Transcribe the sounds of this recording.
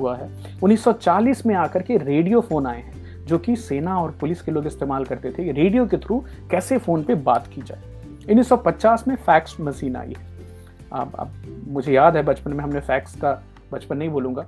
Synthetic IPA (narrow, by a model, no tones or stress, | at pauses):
uaɦɛː | ʊnːiːsːɔt͡ʃaːliːsmẽaːkɐɾkeɾeːɖijofoːnaːeɦɛ̃ | d͡ʒoːkiseːnaɔːɾpʊlɪskeloːɡɪst̪eːmaːlkɐɾt̪et̪ʰeɾeːɖijok̬et̪ʰɾu | kɛːsefoːnpebaːt̪kid͡ʒa̰ːe | ʊnːiːsːɔpɐtːt͡ʃaːsmẽfɛːksmɐsiːna̰ːḭɦɛː | a̰ːbɐ̰bmʊd͡ʒʱejaːd̪ɦɛbɐt͡ʃpənmẽɦɐmnẽfɛːkska | bɐt͡ʃpənːɐɦĩboːlũːŋɡaː